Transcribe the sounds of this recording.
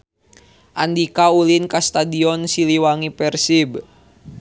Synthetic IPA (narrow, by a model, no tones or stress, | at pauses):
ʔandikaulinkast̪adiɔnsiliwaŋipɛrsib